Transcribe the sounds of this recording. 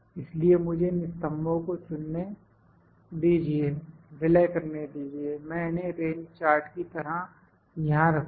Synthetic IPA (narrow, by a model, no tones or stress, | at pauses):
ɪsliemʊd͡ʒʱenɪst̪əmːõkosʊnːe | d̪iːd͡ʒieːʋɪləjkɐɾned̪iːd͡ʒiemɛ̃ːneɾeːnt͡ʃaːɾʈkit̪ɐɾə | jɐɦãɾɐkʰ